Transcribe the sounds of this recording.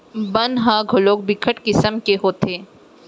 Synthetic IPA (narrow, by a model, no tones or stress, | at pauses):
bɐnɦãːɡʱoloːk̚bɪkʰəʈkɪsəmkeɦoːt̪ʰeː